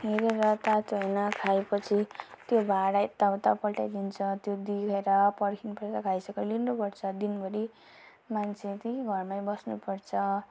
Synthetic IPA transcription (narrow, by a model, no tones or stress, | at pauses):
ɦeɾeɾʌt̪at̪ʌjnʌkʰaepʌt͡sʰit̪jobʱaɽajt̪awt̪apʌlʈajd̪int͡sʰʌt̪jod̪ikʰeɾʌpʌɽkʰinpʌɾt̪akʰajsʌkʌlinnupʌɾt͡sʰʌd̪inbʌɾi | mant͡sʰet̪iɡʱʌrmajbʌsnupʌrt͡sʰʌ